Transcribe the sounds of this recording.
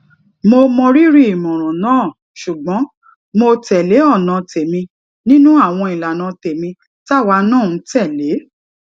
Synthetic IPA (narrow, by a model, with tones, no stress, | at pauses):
mo˧mɔ̃˧ɾi˦ɾi˦i˨mɔ̃˨ɾ̃ɔ̃˨nãː˦˨ | ʃu˨ɡ͡bɔ̃˨˦ | mo˧tɛ˨le˨˦ɔ˦˨nã˨te˨mĩ˧ | nĩ˦nũ˦a˦˨w̃ɔ̃˧i˨la˨nã˨˧te˨mĩ˧ | ta˦˨wa˧˦nãː˦˨ũ˨˧˦tɛ˦˨le˨˦